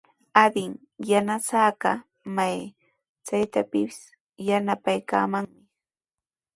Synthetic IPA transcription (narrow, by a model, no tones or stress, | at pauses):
ad̪ɪŋ | janasaːɢɑ̰ | maj | t͡sajt̪apɪpɪ̥s | janapajka̰ːmaŋmɪ